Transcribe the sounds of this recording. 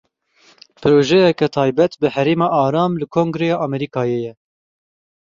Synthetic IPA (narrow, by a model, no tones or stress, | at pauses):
pʰɨɾoːʒɛjɛkɛt̪ʰɑːjbɛt̪bɨhɛɾeːmɑːʔɑːɾɑːmlɨkʰoːŋɡɾejɑːʔɑmɛɾiːkɑːjeːjɛ